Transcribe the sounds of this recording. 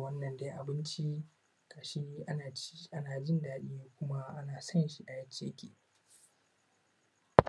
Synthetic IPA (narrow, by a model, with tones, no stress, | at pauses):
wɐ˦nːɐ˨nda˦ʔa˨bɪ˦nt͡ʃi˦ | kaː˨ʃi˦ʔa˦naː˨˦ʔa˦naː˨d͡ʒɪ˦ndaː˦ɗiː˦jkʷʊ˦ma˦ʔa˦naː˨sɐ˦nʃi˦ʔa˨jɐ˦t͡ʃːeː˦kʲḛː˨